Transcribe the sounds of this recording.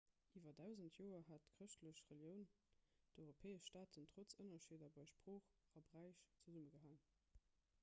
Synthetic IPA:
ʔiːvɐdaʊzəntʰjoːɐɦatkʁəʃtʰləɕʁeljəʊn | d̥ɔɪʁopʰɛːəʃʃtaːtʰəntʁ̥ot͡sənɐʃeːdɐbɑɪʃpʁ̥oːχ | ɑbʁæɪʃt͡səzuməɡəɦaŋ

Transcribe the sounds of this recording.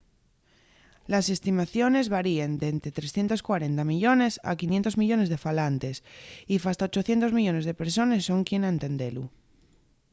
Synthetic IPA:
lase̞st̪imaθjo̞ne̞zβaɾiend̪ent̪ɾet̪ɾesθje̞nt̪o̞skwaɾe̞nt̪amiʎo̞ne̞sa̰kinje̞nt̪o̞zmiʎo̞ne̞zðe̞falant̪esifast̪aot͡ʃo̞θje̞nt̪o̞zmiʎo̞ne̞zð̞e̞peɾs̬o̞nesːo̞ŋkje̞naent̪e̞nd̪e̞lu

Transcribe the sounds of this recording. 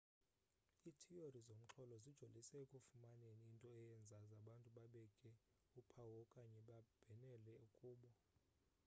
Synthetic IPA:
itʰiorizom̩ǁʰɔlɔzid̥ʒ̥ʱolisɛkʼofumaneniːntʼɔɛjɛnd͡zʱazaɓantʼuɓaɓɛkʼɛ | upʰawɔkʼaɲɛɓab̥ʱɛnɛlɛukʼuːɓɔ

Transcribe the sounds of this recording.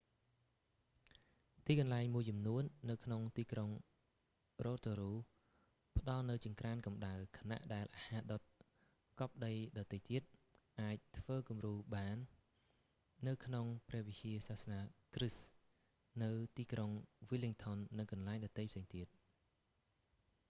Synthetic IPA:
t̪iːkɑnlaɛŋmuəjt͡ɕɑmnuənːɨwkʰnoŋt̪iːkroŋ | roːt̪oːɾuː | pə̆ɗɑlnɨwt͡ɕiəŋkraːnkɑmɗaɨwkʰḁna̰ʔɗaɛlʔahaːɗot̪̚ | kɑp̚ɗəjɗɑt̪ːəjt̪iət̪̚ʔaːc̚t̪ʰʋəːkumruːɓaːn | ɨwkʰnoŋprɛ̆əhʋit͡ɕiəsaːhsnaːkrɨs | nɨwt̪iːkroŋʋiliŋt̪ʰonːɨŋkɑnlaɛŋɗɑt̪ːəjpʰseːŋt̪iət̪̚

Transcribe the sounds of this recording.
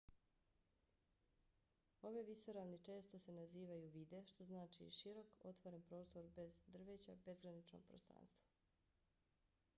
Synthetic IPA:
o̞ʋeʋisoɾaʋnit͡ʃe̞ːst̪o̞se̞naziːʋajuʋiːd̪e̞ʃt̪o̞znaːt͡ʃḭʃiɾo̞ko̞t̪ʋoɾenpɾo̞ːst̪o̞ɾbe̞zd̪r̩ʋet͡ɕa̰be̞zɡɾanit͡ʃno̰ɡ̚pɾost̪ɾa̰ːnst̪ʋḁ

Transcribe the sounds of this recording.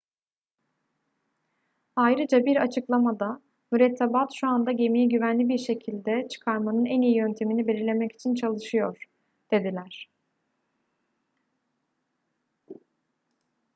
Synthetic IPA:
ajɾɯd͡ʒabiɾat͡ʃʰɯklˠamad̪a | myɾɛt̪ʰːabat̪ʃuand̪aɟe̞mijɛɟyvænlʲibiɾʃe̞cʰilʲd̪ɛt͡ʃʰɯ̥kʰaɾmanɯnænijijø̞nt̪ʰe̞minibelʲiɾlʲe̞mɛci̥t͡ʃʰint͡ʃʰalˠɯʃɯjo̞ɾ̥ | d̪̥e̞d̪ilʲæɾ̥

